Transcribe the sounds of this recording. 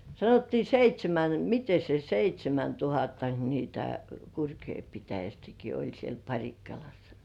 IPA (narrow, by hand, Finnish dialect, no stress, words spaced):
sɑnotːiː seitʲsʲemæn mite se seitʲsʲemæntuhɑtːɑk nitæ kurkjoi pitæjæstæki olʲ siel pɑrʲikːɑlɑsːɑ̥